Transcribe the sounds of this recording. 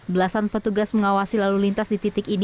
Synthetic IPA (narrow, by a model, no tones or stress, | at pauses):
bəlasanpət̪uɡasməŋawasilalulint̪asdit̪it̪ɪkin